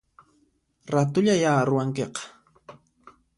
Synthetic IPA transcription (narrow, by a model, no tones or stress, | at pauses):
ɾat̪ʊʎajaːɾʊwaŋkeqɑ̥